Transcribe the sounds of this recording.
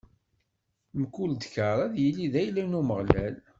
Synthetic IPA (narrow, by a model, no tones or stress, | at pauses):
mkuld̪çaɾˤæðjəlːiðæjlænuməʁlæl